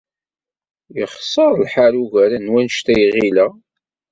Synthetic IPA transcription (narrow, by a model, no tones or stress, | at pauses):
jəχsˤːəɾˤlħaɾuʝæɾænwænʃt̪æjʁilæ